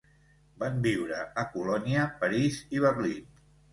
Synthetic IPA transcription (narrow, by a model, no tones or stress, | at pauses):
bambiwɾəəkulɔniəpəɾiziβ̞ərlin